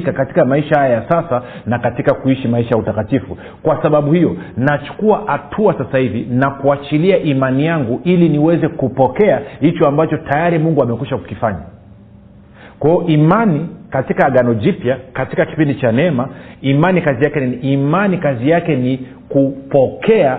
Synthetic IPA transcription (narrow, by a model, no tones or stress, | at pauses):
kakati̥kamaiʃahajajasasa | nakatikakuiʃimaiʃajautakatifu | kwasaɓaɓuhijɔnat͡ʃu̥kuahatʰuasasahivinakuat͡ʃiliaʔimanijaŋɡuʔiliniwɛzɛkupɔkɛahit͡ʃɔambat͡ʃɔtʰajaɾimuŋɡuamɛkwiʃaku̥kifaɲa | kwaiɔʔimanikatikaːɠanɔʄipjakatikaki̥pindit͡ʃanɛɛmaimanikazijakɛimanikazijakɛni | kupɔkʰɛa